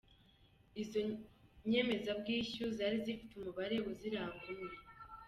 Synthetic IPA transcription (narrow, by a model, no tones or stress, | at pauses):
izoɲe̞me̞zabɡiːçuzaːɾizifi̥tumuβaɾe̞wuziɾaβɡuɾe